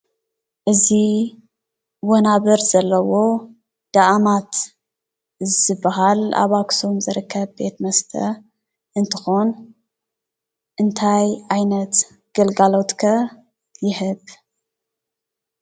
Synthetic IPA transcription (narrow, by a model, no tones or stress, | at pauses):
ʔɨzi | wonaβɨɾz̥ɐlːɐwo̞ | d̪̥aʔamat̪ | zɨbːɐɦala̰βaksumzɨɾɨkʰːɐβbe̞t̪mɐst̪ʰɐ̰ | ʔɨnt̪ʰɨxon | ʔɨnt̪ʰajʔajnɐt̪ | ɡ̥ɐlɡalo̞t̪kʰɐ | jɪhɨβ